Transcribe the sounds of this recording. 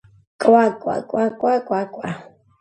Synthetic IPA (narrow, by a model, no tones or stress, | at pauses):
kʼwakʼwa̰kʼwakʼwakwakʼwa